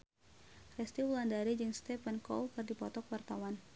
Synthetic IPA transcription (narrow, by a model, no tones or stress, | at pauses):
rɛst̪iwulandaɾid͡ʒɨŋst̪ɛpɛnkɔ̰wkɨrdipɔt̪ɔkwart̪awan